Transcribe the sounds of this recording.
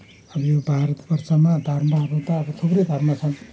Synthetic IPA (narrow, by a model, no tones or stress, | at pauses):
ʌbʌjobʱaɾʌt̪bʌrsʌmad̪ʱʌrmʌɦʌɾũt̪ʌːbʌt̪ʰubɾed̪ʱʌrmat͡sʰʌn